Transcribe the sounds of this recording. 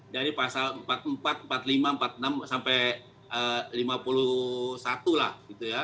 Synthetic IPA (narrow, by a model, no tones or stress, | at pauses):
daɾipasaləmpat̪̚əmpat̪̚mpat̪limampat̪̚namsampɛ | əlimapulusat̪ulahɡit̪uja